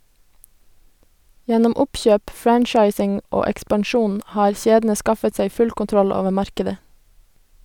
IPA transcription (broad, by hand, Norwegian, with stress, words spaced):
ˈjɛnɔm ˈʊpçøːp ˈfɹænt͡ʃɑɪsɪŋ ˈoː ɛkspɑnˈʃuːn ˈʔhɑːɾ ˈçeːdn̩ə ˈskɑfət ˈsæɪ ˈfʉl kʊnˈtɾɔl ˈoːʋə ˈmɑɾkədə